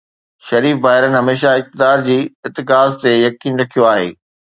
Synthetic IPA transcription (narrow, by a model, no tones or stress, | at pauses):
ʃɐɾiːfbaːɦɪɾənɪ̆ɦɐmeːʃaɪk̚t̪ɪd̪aːɾd͡ʑiːɪt̪ɪkaːzt̪ejɐkiːnɾɐkʰijoaːɦḛː